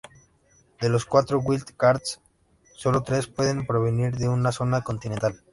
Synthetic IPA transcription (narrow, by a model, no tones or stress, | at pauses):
d̪elo̞skwat̪ɾoɣwild̪kaɾt̪sː | o̞lot̪ɾe̞spweðe̞mpɾo̞β̞eniɾðeunaso̞nako̞nt̪inent̪al